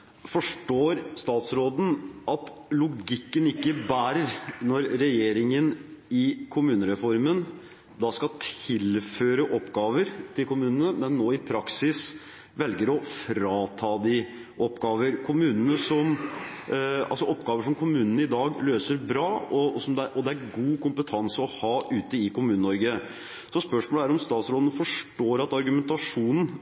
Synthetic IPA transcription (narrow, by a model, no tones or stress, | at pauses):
fɔʂʈoːɾst̪ɑːt̪sɾoːd̪n̩ʔɑt̪lʊɡɪkːənɪkːəbæːɾəɾnɔɾːɛjeːɾɪŋənɪkʰʊmʉːnəɾɛfɔɾmən | d̪ɑskɑt̪ʰɪlføːɾəʔɔpːɡɑːʋəɾt̪ʰɪlkʰʊmʉːnənəmɛnːoːɪpʰɾɑksɪs | ʋɛlɡəɾɔfɾɑːt̪ʰɑːd̪ɪʔɔpːɡɑːʋəɾkʰʊmʉːnənəsɔm | ɑ̰lsɔɔpːɡɑːʋəʂɔmkʰʊmʉːnənəɪd̪ɑːɡløːsəɾbɾɑːɔsɔmd̪ɛʔɔd̪ɛæɾɡuːkʊmpət̪ʰɑnsəɔhɑːʔʉːt̪əɪkʊmʉːnənɔɾɡə | sɔspœʂmoːləæɾɔmst̪ɑːt̪sɾoːd̪ən̩fɔʂʈoːɾɑt̪ɑɾɡʉmɛnt̪ɑʂuːnn̩